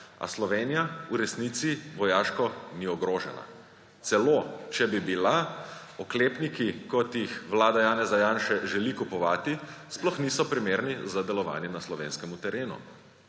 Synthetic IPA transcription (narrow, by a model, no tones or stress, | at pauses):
a̰slɔʋeːnijauɾɛsnit̪siʋɔjaːʃkɔniɔɡɾoːʒɛ̰la̰ | t̪sɛloːt͡ʃɛbibila | ɔkleːpnikikɔt̪jixʋlaːd̪ajaːnɛzajaːnʃɛʒɛlikupɔʋaːt̪isplɔxnisɔpɾimeːɾnizad̪ɛlɔʋa̰ːnjɛnaslɔʋḛːnskɛmut̪ɛɾeːnṵ